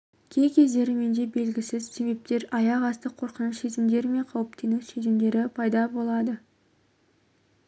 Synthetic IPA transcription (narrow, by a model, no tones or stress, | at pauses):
kʲʰe̞jkʲʰe̞zd̪e̞ɾɪme̞nd̪e̞be̞lɡʲɪsɪzse̞be̞p̚t̪e̞ɾɑjɑʁɑst̪əqʰːo̞ɾqənəsse̞zɪmd̪e̞ɾɪme̞ɴqʰɑwəpt̪e̞nɪkse̞zɪmd̪e̞ɾɪpʰɑjd̪ɑbo̞lˠɑd̪ə